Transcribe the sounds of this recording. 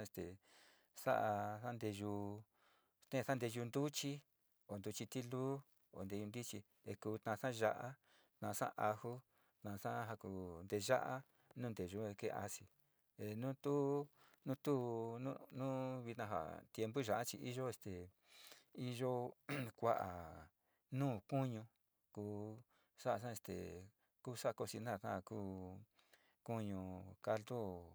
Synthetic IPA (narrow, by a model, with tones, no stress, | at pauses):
e˧st̪e˨ | sa̰˦ʔa˧sa˦nd̪e˧ʒu˧ | t̪ẽ˦˧sa˦nd̪e˧ʒu˧nd̪u˦t͡ʃi˦ | o˨nd̪u˧t͡ʃi˧t̪i˦luː˦ | o̰˨nd̪e˧u˧nd̪i˦t͡ʃi˧ | e˧kuː˧t̪nã˧ʂã˦˧ʒa˧ʔa˦ | t̪nã˧ʂã̰˦ʔa˧hu˦ | t̪nã˧ʂã˦ɦa˧ku˧nd̪e˧ʒa˦ʔa˦ | nũː˦nd̪e˨ʒu˧˦e˧kḛ˦˧a̰˧si˧ | e˧nũː˦t̪u˦ | nũ˦t̪u˦nũ˦nũ˦βi˧t̪nã˧ɦa̰˨t̪je˧mbu˦ʒa˨ʔa˦t͡ʃi˧ʔi˦ʒo˦e˧st̪e˨ | i˦ʒo˦kʷa˦ʔa˨ | nũː˦˨ku˦ɲũ˧ | kuː˧˦ | sa˦ʔa˧s̬ã˦e˧st̪ḛ˨ | kuː˦sa˦˧ko˧si˧nã˦˨kã˦˧˨kuː˦ | ku˦ɲũ˧ka˧ld̪o˦